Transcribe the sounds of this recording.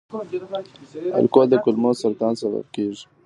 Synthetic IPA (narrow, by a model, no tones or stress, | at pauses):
a̰lkod̪əkʊlmosaɾt̪ɑːnsaba̰b̚keːʐi̥